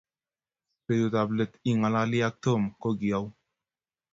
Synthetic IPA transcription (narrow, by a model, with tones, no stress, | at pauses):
se˨du˨t̪a˨ble˨t̪i˨ŋa˨la˧li˦a˦k̚t̪o˦˨mko˦ɡi˨a˦w